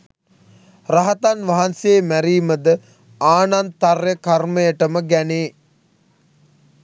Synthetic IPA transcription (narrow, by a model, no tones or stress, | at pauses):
raɦat̪anʋaɦanseːmæɾiːməd̪ə | aːnant̪arjəkarməjəʈəməɡæneː